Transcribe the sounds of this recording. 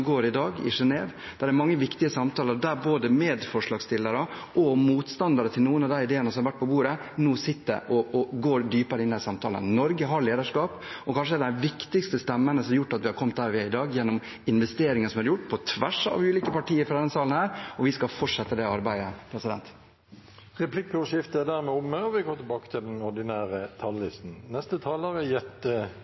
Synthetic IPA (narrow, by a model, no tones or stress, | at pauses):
ɡoːɾɪd̪ɑːɡɪ̰ʂɛneːʋ | d̪̥æɾæɾmɑŋːəʋɪkt̪ɪəsɑmt̪ʰɑːləɾd̪æɾboːd̪əmeːd̪fɔʂɭɑːɡst̪ʰɪlːəɾə | ʔɔmuːt̪st̪ɑnd̪ɑɾət̪ʰɪlnuːənɑʋd̪æɪɪd̪eːənəsɔmɑɾʋæʈ̚ːpʰɔbuːɾənoːsɪt̪ːə̰ɾʔɔʔɔɡoːɾɖ̪yːpəɾəɪnːæɪsɑmt̪ʰɑːlə̰nnɔɾɡəɦɑɭeːd̪əʂkɑːpɔkʰɑnʂ̬əɛɖd̪æʋɪkt̪ɪkst̪əst̪ɛmːənəsɔmjʊʈːɑt̪ʋɪhɑɾkʰɔmt̪hæːɾʋɪɪd̪ɑːɡjɛnːɔm | ɪnʋɛst̪eːɾɪŋəsɔmhɑɾjʊʈːpʰɔt̪ʰʋæʂɑ̰ʋʉːliːkəpɑʈʰiːəɾfɾɑd̪ɛnːəsɑːlənhæːɾɔʋɪskɑlfɔʈʂɛt̪ːəd̪ɛɑɾbæɪəpʰɾɛsɪd̪ɛ̰nt̪ | ʁɛplɪkːʂɪft̪əæd̪æɾmɛʊməɔʋɪɡɔmət̪ɪbɑːkə̥t̪ʰɪld̪ɛnɔɖ̪ɪnæːɾət̪ʰɑlːɪst̪n̩nɛst̪ət̪ʰɑːləɾəjɛt̪ːə